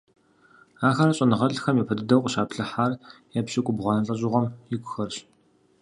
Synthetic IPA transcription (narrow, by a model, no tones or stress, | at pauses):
aːxɐɾɐɕʼɐnɨʁɐɬxɐmjipʰɐdɨdɐwqʷʼʊɕaːpɬɨħaːrjɛpɕʼɪkʷʼʊbʁʷɑnɐɬʼɐɕʼɪʁɔmjɪkʷʼʊxɐrɕ